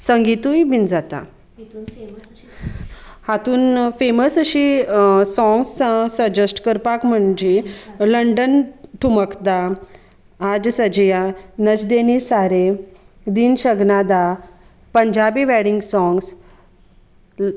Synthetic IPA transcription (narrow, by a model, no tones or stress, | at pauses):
səŋɡit̪ujbind͡zat̪a̰ | hat̪uːnfeməsəɕisɔ̃ŋɡsəsəd͡ʑəsʈkəɾpakm̤əɳd͡ʑeləɳɖənʈʰuməkd̪a | ad͡zsəd͡ʑjanəd͡ʑd̪enisaɾe | d̪iːnɕəɡnad̪a | pəɲd͡ʑabiːʋɛɽiŋɡsɔŋɡs